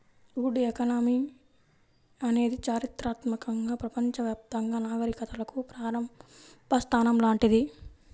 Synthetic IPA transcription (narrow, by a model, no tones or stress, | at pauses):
uːɖiekɐnaːmi | ɐne̞ːd̪it͡ʃaːɾit̪ɾaːt̪mɐkɐŋɡaːpɾɐpɐɲt͡ʃɐʋjaːp̚t̪ɐŋɡaːnaːɡɐɾikɐt̪ɐlɐkupɾaːɾɐmbʱɐst̪ʰaːnɐmlaːɳʈid̪i